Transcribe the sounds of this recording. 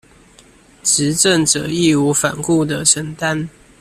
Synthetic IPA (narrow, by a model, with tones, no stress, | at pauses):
ʈ͡ʂɻ̩˨˦ʈ͡ʂə˥˨nʈ͡ʂə˨˩i˥˨u˧˦fa˨˩nku˥˩d̪ə˨˩ʂə˨˩nt̪a˦n